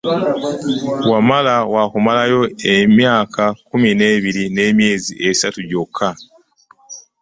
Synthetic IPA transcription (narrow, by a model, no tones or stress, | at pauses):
wamalawakumalajo̞emjaːkʰakumine̞ːβiɾine̞mje̞ːzḭʔesatuɟokʰːa